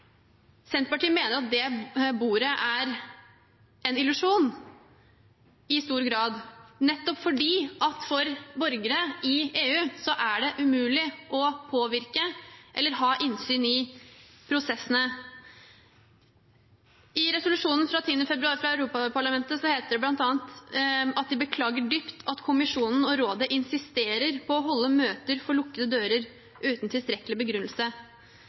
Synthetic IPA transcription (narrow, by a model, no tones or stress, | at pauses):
sɛnt̪əpɑʈiːəmeːnəɾɑt̪̚d̪ɛbuːɾəʔæɾ | ɛnɪlʉʂuːn | ɪst̪uːɾɡɾɑːd̪nɛt̪ːɔpfɔɖiːɑt̪fɔɾbɔɾɡəɾəɪeːʉːsɔʔæɖɛʔʉmʉːlɪʔɔpʰoːʋɪɾkəʔɛ̰lːəɾɦɑːʔɪnsyːnɪ | pʰɾʊsɛsːənə | ɪɾɛsʊlʉʂuːnn̩fɾɑt̪ʰiːnəfɛbɾʉɑːɾfɾɑæʉɾuːpɑpʰɑɭɑmɛnt̪əsɔheːt̪əɖɛblɑnt̪ɑːənt̪ɑt̪̚d̪ɪbəkʰlɑːɡəɖyːpt̪ʰɑt̪kʰʊmɪʂuːnn̩ɔɾoːd̪əʔɪnsɪst̪eːɾəɾpʰɔːɦɔlːəmøːt̪əɾfɔɭʊkːəd̪əd̪øːɾəɾ | ʔʉːt̪n̩t̪ʰɪlst̪ɾɛklɪbəɡɾʉnlsə